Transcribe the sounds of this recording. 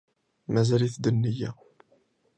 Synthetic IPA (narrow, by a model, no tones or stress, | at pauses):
mæzæliθd̪ənːijæ̰